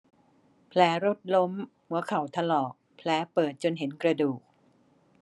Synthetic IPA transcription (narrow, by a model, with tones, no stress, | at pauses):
pʰlɛː˩˦ɾo˦˥t̪̚lo˦˥m | hu˩˦ɐkʰa˩˦wt̪ʰa˧lɔː˨˩k̚pʰlɛː˩˦pɤː˨˩t̪̚t͡ɕo˧nɦe˩˦nkɾa˧duː˨˩k̚